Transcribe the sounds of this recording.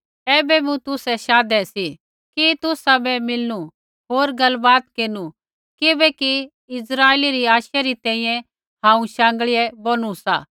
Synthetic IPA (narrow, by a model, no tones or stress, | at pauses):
ɛːbɛmũt̪ʊsɛʃaːd̪ɛsi | kit̪ʊsabɛmɪlnu | ɦoːɾɡɐlbaːt̪keːnu | kɪbɛki | ɪsɾaːeːliɾiaːʃaɾit̪ɛ̃ːĩjɛ̃ | hãːũʃãːŋɡɭijɛboːñusa̰ː